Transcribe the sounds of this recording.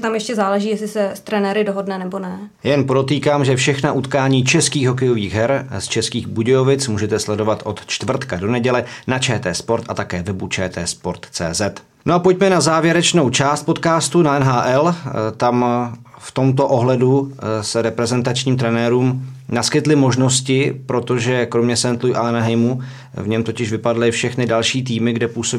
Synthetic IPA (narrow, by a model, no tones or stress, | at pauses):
t̪amjɛʃcɛzaːlɛʒiːjɛslɪsɛst̪ɾɛnɛɾɪdoɦodnɛnɛbonɛ | jɛnpɾo̞t̪iːkaːmʒɛfʃɛxnaʔut̪kaːɲiːt͡ʃɛskiːɣɦo̞k̬ɛjo̞viːɣɦɛɾst͡ʃɛskiːɣbuɟɛjovɪt͡smuːʒɛt̪ɛslɛdo̞vat̪ʔo̞t̪t͡ʃt̪vr̩t̪kado̞nɛɟɛlɛnat͡ʃɛːt̪ɛːspo̞ɾt̪ʔat̪akɛːvɛbut͡ʃɛːt̪ɛːspoɾt̪t͡sɛ̰ːzɛt̪ | nʔoʔapoc̚mɛnazaːvjɛɾɛt͡ʃno̞wt͡ʃaːst̪̚po̞t̪kaːst̪unaʔɛnɦaːʔɛlt̪am | ft̪o̞mt̪o̞ʔo̞ɦlɛdusɛɾɛpɾɛzɛnt̪at͡ʃɲiːmt̪ɾɛnɛːɾuːmnaskɪt̪lɪmo̞ʒno̞scɪpɾo̞t̪o̞ʒɛkɾomɲɛsɛnt̪lujʔanaɦɛjmu | vɲɛmt̪o̞cɪʃvɪpadlɪfʃɛxnɪdalʃiːt̪̬iːmɪɡdɛpuːsob